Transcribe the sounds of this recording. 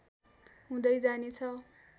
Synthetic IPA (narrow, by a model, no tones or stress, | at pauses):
ɦũd̪ʌjd͡zanet͡sʰʌ